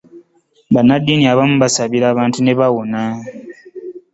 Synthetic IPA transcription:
banːadːiniaβamuβasaβiɾaːβaːntune̞βawona

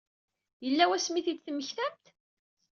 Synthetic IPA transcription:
jəlːæwæsmiθid̪θmːəçθæmt̪

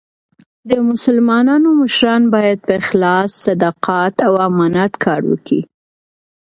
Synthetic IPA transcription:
d̪əmʊsalmɑnɑnoməʃɾɑnbɑjad̪̚pəɪxlɑsːad̪aqɑt̪awamɑnat̪kʰɑɾwə̰kḭ

